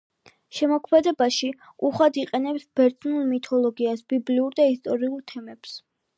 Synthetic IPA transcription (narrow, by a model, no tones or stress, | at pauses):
ʃɛmɔkʰmɛd̪ɛbaʃi | uχwad̪iqʼɛnɛpsb̥ɛɾt̪ʰʼnulˠmit̪ʰɔlˠɔɡiasbibliuɾd̪aist̪ʼɔɾiulˠt̪ʰɛmɛps